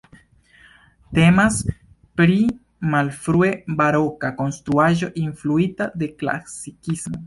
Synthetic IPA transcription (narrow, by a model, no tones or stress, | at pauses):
t̪e̞mas | pɾi | malfɾue̞baɾo̞kako̞nst̪ɾuaʒo̞ʔinfluit̪ad̪e̞kla̰sikismo̞